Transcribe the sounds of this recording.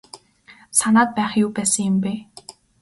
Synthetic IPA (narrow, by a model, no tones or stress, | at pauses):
sanaːt̪̚pæːχjuːpæːsə̆ŋjʊ̆mpeː